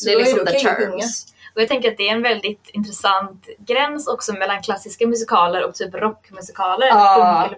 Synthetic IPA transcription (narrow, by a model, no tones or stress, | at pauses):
sɔɛlɪksɔd̪ə̰ | ɔjɑɡt̪ɛŋkəɾat̪̚d̪ɛːɾɛnvɛld̪ɪt̪ɪnt̪ɾɛsant̪ɡɾɛnsɔksɔmɛlːankʰlasːɪskamɵsɪkʰɑːləɾɔkt̪ʰyːpɾɔkːmɵsɪkʰɑːləɾɵ